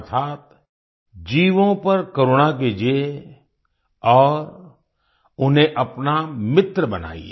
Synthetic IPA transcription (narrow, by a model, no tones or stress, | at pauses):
t̪ʰaːt̪̚ | d͡ʒiːʋõpɐɾkoːɾoːnak̬ed͡ʒe | ɔːɾ | ʊnɦẽʔɐpnamɪt̪ɾəbəna̰ːḭḛ